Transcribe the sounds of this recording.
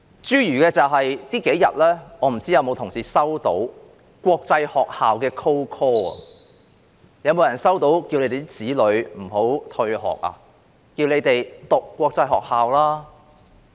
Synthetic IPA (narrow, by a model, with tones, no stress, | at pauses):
t͡ʃyː˥jyː˨˩kɛː˧t͡sɐ˨wɦɐ˨jt̪iː˥ke˨˥jjɐ̰˨t̚lɛː˥ŋɔː˨˧m̩˨˩t͡siː˥jɐ˨˧wmo˨˧wt̪ʰʊ˨˩ŋsiː˨˥sɐ˥wt̪o̰˨˥w | kʷɔː˧k̚t͡sɐ˧jhɔː˨k̚haː˨wkɛː˧kʰo˥wkʰɔː˥ɐ̰˨ | jɐ˧wmo˨˧wjɐ˨˩nsɐ˥wt̪o˨˥wkiː˧wle˧jt̪e˨˩t̪i˥t͡siː˨˥lɵ˨˧ɥm̩˨˩ho˨˥wt̪ʰɵ˧ɥɦɔ̰ː˨˩k̚a̰˧ | kiː˧wle˨˧jt̪e˨jt̪ʊ˨kːʷɔː˧k̚t͡sɐ˧jhɔ̰ː˨k̚haː˨wlaː˥